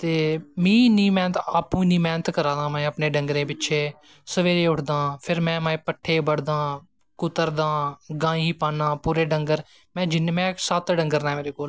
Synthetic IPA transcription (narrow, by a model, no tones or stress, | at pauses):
t̪eːmĩːnĩːmɛ̃ːnt̪aːpũːnĩːmɛːnət̪kəɾãːd̪ãːmɛ̃ːəpnẽːɖəŋɡɾẽːpɪtːʃʰeː | səʋeːɾeːʊʈʰd̪ãːpʰɪɾmɛ̃ːmaːẽːpəʈʰːeːbəɽd̪ãː | kʊt̪əɾd̪ãːɡãːĩːpaːnãːpuːɾeːɖəŋɡəɾ | mɛ̃ːd͡ʒɪnːmɛ̃ːsət̪ɖəŋɡəɾnãːmeːɾeːkoːl